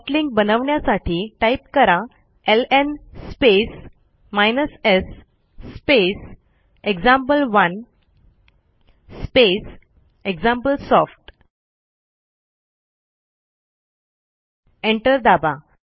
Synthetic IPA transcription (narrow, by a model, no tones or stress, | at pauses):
ʈliŋk̚bənəʋɳjasaʈʰiːʈaip̚kəɾa | elenspes | majnəsesː | pes | eɡd͡zãmpəlʋən | spes | eɡd͡zãmpəlsɔfʈ | eɳʈəɾd̪aba